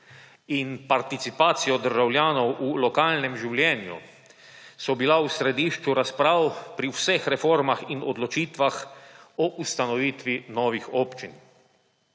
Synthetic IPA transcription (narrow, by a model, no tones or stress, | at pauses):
inpaɾt̪it̪sipaːt̪sijɔd̪əɾʒawlʲjaːnɔwʔulɔkaːlnɛmʒiwlʲjɛːnjṵ | sɔbilawsɾɛd̪iʃt͡ʃuɾaspɾaːwpɾiwsɛxɾɛfoɾmaxinɔd̪lɔt͡ʃiːt̪ʋaxɔʔust̪anɔʋiːt̪ʋinɔːʋixɔːpt͡ʃin